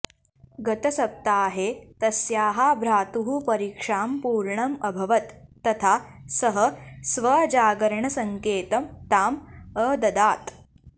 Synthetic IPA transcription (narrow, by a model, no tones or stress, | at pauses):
ɡɐt̪ɐsɐp̚t̪aːɦet̪ɐsjaːɦabʱɾaːt̪uɦupɐɾikʂaːmpuːɾɳɐmɐbʱɐʋɐt̪ːɐt̪ʰasɐɦəsʋɐd͡ʒaːɡɐɾɳɐsɐŋkeːt̪ɐmt̪aːməd̪ɐd̪aːt̪